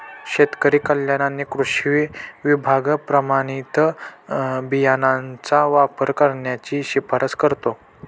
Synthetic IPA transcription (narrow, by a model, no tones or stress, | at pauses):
ɕet̪kəɾiːkəljananːikɾuɕʋiʋibʱaɡpɾəmaɽ̃it̪ | bijanant͡saʋapəɾkəɾɳjat͡ɕiːɕipʰəɾət͡skəɾt̪o